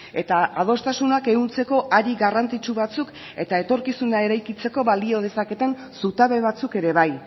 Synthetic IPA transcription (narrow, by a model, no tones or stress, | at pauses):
e̞t̪aað̞o̞st̪asunake̞ɣunt͡se̞ko̞ʔaɾiɣarant͡s̪it͡ʃuβat͡suk | e̞t̪ae̞t̪o̞ɾkisunae̞ɾajkit͡se̞ko̞βalio̞ð̞e̞sake̞t̪e̞n | sut̪aβe̞β̞at͡suke̞ɾe̞βaj